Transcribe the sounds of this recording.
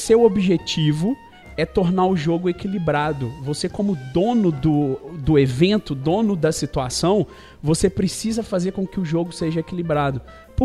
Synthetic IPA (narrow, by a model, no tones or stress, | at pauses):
sewobiʒet͡ʃivʊ | ɛt̪oɾnaɾʊʒoɡʊekilibɾad̪ʊvosekõmʊd̪õnʊd̪ʊd̪ʊevẽnt̪ʊd̪õnʊd̪ɐsit̪uasɐ̃w̃ | vosepɾesizɐfazeɾkõkɪʊʒoɡʊseʒɐekilibɾad̪ʊ | pʊ